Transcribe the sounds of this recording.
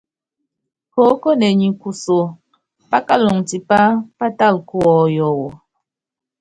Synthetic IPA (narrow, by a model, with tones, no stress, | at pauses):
po˨˦ko˦ne˨ɲi˨ku˨so˨ | pa˦ka˦lɔ˨ŋti˨pa˦pa˦ta˦˨lku˦ɔ˨jɔ˨wɔ˨